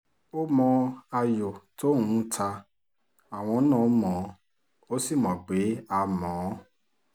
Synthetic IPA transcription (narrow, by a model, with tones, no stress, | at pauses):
o˦mɔ̃˧a˧jo˨to˦nũ˨˦tʰa˧ | a˨w̃ɔ̃˧˦nãː˦˨˦mɔ̃˨˦ | o˦si˦˨mɔ̃˨ɡ͡be˨˦a˧mɔ̃˨˦